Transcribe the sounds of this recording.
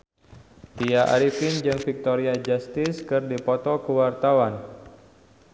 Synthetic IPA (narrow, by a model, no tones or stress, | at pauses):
t̪iaʔa̰ɾifɪnd͡ʒɨŋfik̚t̪oɾiad͡ʒast̪ɪskɨrdipɔt̪ɔkəwart̪awan